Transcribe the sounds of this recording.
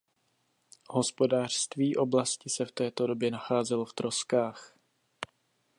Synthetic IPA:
ho̞spo̞daːr̝̥st̪viːʔo̞blascɪsɛft̪ɛːt̪o̞do̞bjɛnaxaːzɛloft̪ɾo̞skaːx

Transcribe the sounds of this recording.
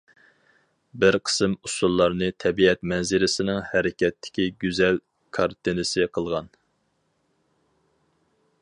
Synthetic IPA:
bɪɾqʰə̥sɨmusulˠːɑɾnɨt̪ʰɛbiɛt̪mɛnzɪɾɪsɪnɪŋhɛɾɪkʲɛt̪ʰːɪ̥kʲiɡʲyzɛl | kʰɑɾt̪ʰɨnɨsɪqʰəlˠʁɑn

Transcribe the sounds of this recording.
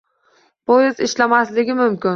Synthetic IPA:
pʰojɪzɪʃlamaslɪɡʲɪmʊmkʲɪn

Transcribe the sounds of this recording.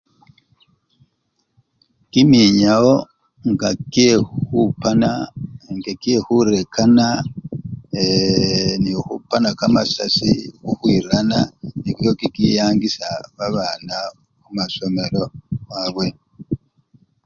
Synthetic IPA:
kimiɲawo̞ | ŋɡakehupanaŋɡekiehuɾekʰana | e | nixupanakamasasikuhwiɾananikijokikijaːŋɡisaβaβaːna | kumaso̞me̞ɾo̞waβwe̞

